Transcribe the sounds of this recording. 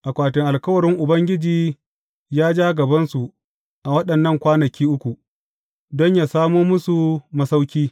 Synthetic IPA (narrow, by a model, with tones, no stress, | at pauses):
ʔa˨kʷaː˨tɪ˨ŋʔa˨lkɐ˦wɐ˨ɾɪ˦ŋʔʊ˨bɐ˦ŋɡʲɪ˦d͡ʒiː˨ | jaː˦d͡ʒaː˦ɡɐ˨bɐ˦nsu˨ | ʔa˨wɐ˦ɗɐ˨nːɐ˦˨ŋkʷaː˦nɐ˨kʲʰiː˦ʔʊ˦kʷu˨ | dɔ˦ɲjaː˨saː˦muː˦mʊ˦su˨mɐ˦sa˦wkʲiː˦